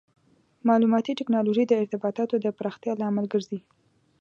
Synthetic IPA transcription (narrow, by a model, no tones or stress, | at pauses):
mɑlumɑt̪iʈɪknɑloʒid̪əɪɾt̪ɪbɑt̪ɑt̪od̪əpɾɑxt̪jɑlaamalɡəɾzi